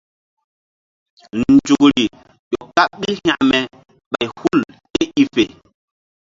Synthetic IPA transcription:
nn̩˨d͡ʒu˨kɾi˨ | jɔ˨kːa˦ɓi˦lhã̰˨ʔmɛ˨ | ɓa˨jhu˦lte˦i˦fe˨

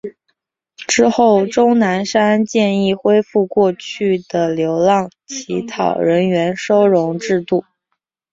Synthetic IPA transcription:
ʈ͡ʂɻ̩˥xo˥˩ʊʈ͡ʂʊ˥ŋna˧˥nʂa˥nt͡ɕjɛ˥˧ni˥˩xwe˥ɪfu˥˧kwɔ˥˧t͡ɕʰy˥˩d̪ə˩ljo˧˥ʊlɑ˥˩ŋt͡ɕʰi˧˥t̪ʰɑ˨˩ʊɻə˧˥nɥɛ˧˥nʂo˥ʊɻʊ˧˥ŋʈ͡ʂɻ̩˥˧t̪u˥˩

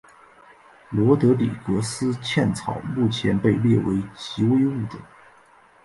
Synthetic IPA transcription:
lwɔ˧˥t̪ɤ˧˥lḭ˨˩kɤ˧˥sɹ̩˥t͡ɕʰjɛ˥˩nt͡sʰɑ˨˩˦ʊmu˥˩t͡ɕʰjɛ˧˥npe˥˧ɪljɛ˥˩we˧˥ɪt͡ɕi˧˥we˥ɪu˥˩ʈ͡ʂə˨˩˦

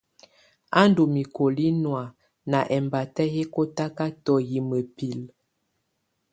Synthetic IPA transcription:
a˦ndu˨mi˨ko˨li˦nwa˨ | na˨ʔɛ˨mba˨tɛ˦he˦ko˦ta˦ka˦tɔ˨ji˨mə˨pi˨l

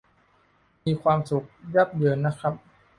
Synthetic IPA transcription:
miː˧kʰwaː˧msu˨˩˦k̚ja˦˥˩p̚dɯː˧nːa˦˥kʰɾa˦˥p̚

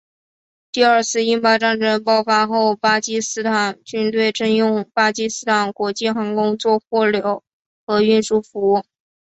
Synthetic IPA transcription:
t̪i˥˧ə˞˥˧t͡sʰɹ̩˥˧i˥ŋpa˥ʈ͡ʂa˥˩nʈ͡ʂə˥ŋpɑ˥ʊfa˥xo˥˩ʊpa˥t͡ɕi˥sɹ̩˥t̪ʰa˨˩˦nt͡ɕy˥nt̪we˥˩ɪʈ͡ʂə˥njʊ˥˩ŋpa˥t͡ɕi˥sɹ̩˥t̪ʰa˨˩˥nkwɔ˧˥t͡ɕi˥˩xa˧˥nkʊ˥ŋt͡swɔ˥˧xwɔ˥˩ljo˧˥ʊ | xɤ˧˥y˥˧nʂu˥˩fu˧˥u˥˩ŋ

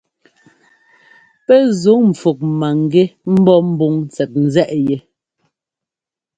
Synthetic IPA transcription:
pɛ˦zo˨˦ŋm̩˨fo˨k̚ma˨ŋ˨ɡe˦m̩˦bɔ˦m̩˦bu˦ŋnt͡sɛ˨t̚n̩˨zɛ˦ʔje˨

